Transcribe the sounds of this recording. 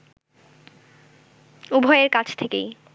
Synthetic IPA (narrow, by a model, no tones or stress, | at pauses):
ubʱɔeeɾkat͡ɕʰt̪ʰekej